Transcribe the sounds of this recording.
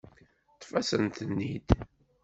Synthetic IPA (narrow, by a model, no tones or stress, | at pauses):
t̪ːfæsənt̪ənːid̪